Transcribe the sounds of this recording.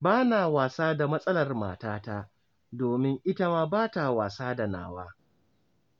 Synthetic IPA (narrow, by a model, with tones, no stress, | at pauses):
baː˦naː˨waː˨saː˦da˨mɐ˦sʼɐ˦lɐ˨rma̰ː˨taː˦ta˦ | doː˨mɪ˦ŋʔɪ˦ta˦maː˦baː˦ta˨waː˨saː˦da˨na̰ː˨wa̰ː˦